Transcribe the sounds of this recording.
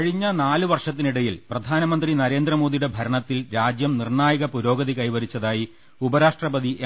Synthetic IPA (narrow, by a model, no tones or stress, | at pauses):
ɻiɲːɐnaːlɨʋɐrʂɐt̪̬ːiniɽɐjilprɐd̪ʱaːnɐmɐnd̪rinɐɾe̞ːnd̪rɐmo̞ːd̪ijuɽe̞bʱɐɾɐɳɐt̪ːilɾaːd͡ʑjɐmnirɳaːjɐɣɐpuɾo̞ːɡɐðikɐjʋɐɾit͡ɕːɐðaːji | ubɐɾaːʂʈrɐbɐðiʔ